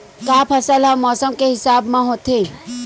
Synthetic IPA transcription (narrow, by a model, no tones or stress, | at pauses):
kaːpʰəsəlɦə̃mɔːsəmkeɦɪsaːbmãɦot̪ʰẽ